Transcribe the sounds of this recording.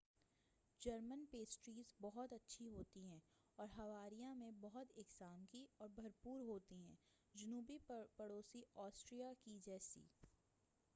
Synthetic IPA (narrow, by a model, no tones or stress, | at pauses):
d͡ʒɐɾmənpeːsʈɾiːzbɔɦʊt̪ɐtːʃʰiɦoːt̪iɦɛ̃ː | ɔːɾɦɐʋaːɾijãmẽbɔɦʊt̪ɪkzaːmkiɔːɾbʱɐɾpuːɾɦoːt̪iɦɛ̃ː | d͡ʒʊnuːbipɐɽoːsiɔːsʈɾijakid͡ʒɛːsḭː